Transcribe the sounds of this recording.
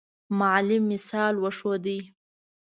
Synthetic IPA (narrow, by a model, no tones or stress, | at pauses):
maʕlɪmːɪsɑlwəʂod̪ij